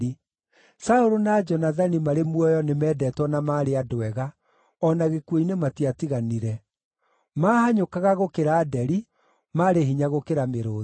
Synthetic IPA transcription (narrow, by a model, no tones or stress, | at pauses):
i | saoɾonad͡ʒɔnaðanimaɾemwɔjɔnemɛːdɛtwɔnamaːɾeadowɛɣa | ɔnaɣekwoinematiatiɣaniɾɛ | maːhaɲokaɣaɣokeɾaːdɛɾi | maːɾeɦiɲaɣokeɾameɾoː